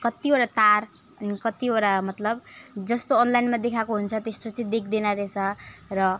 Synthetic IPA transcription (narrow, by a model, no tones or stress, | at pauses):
kʌt̪ioɾat̪ar | ʌnikʌt̪ioɾamʌt̪lʌbd͡zʌst̪oːnlajnmad̪ekʰakoɦunt͡sʰʌt̪est̪ot͡sʌĩd̪ekʰd̪enaɾet͡sʰʌrʌ